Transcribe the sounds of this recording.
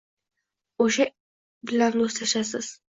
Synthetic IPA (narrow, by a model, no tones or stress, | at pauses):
oʃa | bɪlanost̪aʃas̬ɪz̥